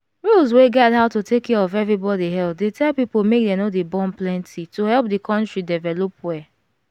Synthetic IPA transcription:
ɹulzweɡɛthaʊtotʰekʰːɛɹɔvɛvɹibɔdiɦɛlp̚detʰɛlpipomek̚dɛnodebɔ̃nplɛ̃ntʰitohɛlˠp̚dikʰɔ̃ntɹidɛvɛlopwɛ

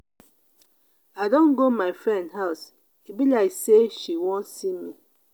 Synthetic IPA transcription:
adõnɡomaɪfɾɛ̃ndhaʊs | ibilaɪkseʃiwɔ̃nsimi

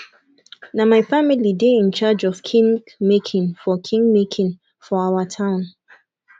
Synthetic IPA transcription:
namaɪfamilideĩnt͡ʃad͡ʒɔv̥kʰĩŋ | mekʰĩnfɔkʰĩŋɡmekʰĩn | fɔawətʰãʊ̃n

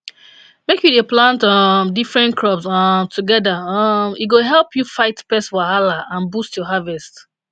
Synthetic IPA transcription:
mekjudeplãntɔmdifɹɛ̃ntkʰɹɔbsɔmtʰuɡɛdaɔmiɡoɦɛlpjufaɪtpɛswahalaãnbustjɔɦavɛst

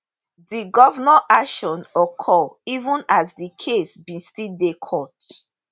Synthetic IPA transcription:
diɡɔvnaʔakʃɔ̃nɔkʰɔivũnasdikʰesbĩstildekʰɔt

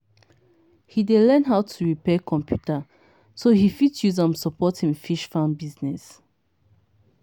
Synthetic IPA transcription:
hidelɛ̃nɦaʊtʰuɹipɛkʰɔ̃mpʰjuta | sohifitjuzãmsɔpɔthĩmfiʃfãnbiznɛs

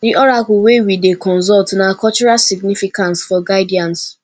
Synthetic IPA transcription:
diʔɔɾakʊwewidekɔ̃nz̬ɔltnakɔt͡ʃuɹasiɡnifikãntsfɔɡaɪdiãns

